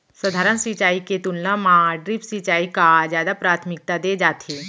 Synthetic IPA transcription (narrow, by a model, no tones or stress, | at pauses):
səd̪ʱaɾənsit͡ɕaiket̪unːəmãɖɾipsit͡ɕaikad͡ʑjad̪apɾat̪ʰmik̚t̪ad̪ed͡ʒat̪ʰe